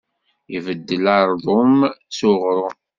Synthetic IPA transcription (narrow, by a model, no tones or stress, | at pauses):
ivəd̪ːəlɑɾˤðˤomt͡sʊʁɾˤʊ